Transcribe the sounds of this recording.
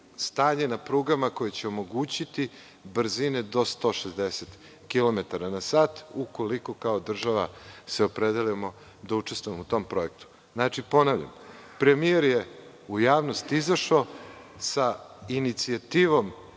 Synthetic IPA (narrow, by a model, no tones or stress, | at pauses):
st̪aːɲe̞napɾuːɡamako̞jet͡ɕeo̞mo̞ɡuːt͡ɕit̪i | br̩zined̪o̞st̪o̞ːʃezd̪eset̪ | kilo̞met̪aɾanasaːt̪uko̞liko̞kaod̪r̩ʒaʋaseopɾed̪elimo̞ | d̪aut͡ʃe̞st̪vujemout̪o̞mpɾo̞e̞k̚t̪u̥ | znaːt͡ʃipo̞naʋʎa̰m | pɾe̞mieɾje | ujaːʋno̞st̪izaʃo | sainit̪siat̪iːʋo̞m